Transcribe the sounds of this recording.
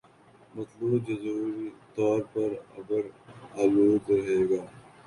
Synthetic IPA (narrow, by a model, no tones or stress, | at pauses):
mɐt̪lubd͡ʒɐzuːɾit̪ɔːɾpɐɾɐ̰ɡəɾaːluːd̪ɾɐɦeːɡaː